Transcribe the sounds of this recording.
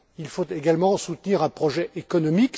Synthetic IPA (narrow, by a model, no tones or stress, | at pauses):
ilfot̪eɡalmɑ̃sut̪niʁɛ̃pχɔʒɛʔekɔnɔmik